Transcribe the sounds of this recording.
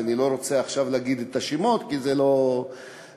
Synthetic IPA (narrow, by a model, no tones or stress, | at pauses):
anilo̞ɾo̞t͡seaχʃavleaɡid̪et̪aʃimot̪kizelo̞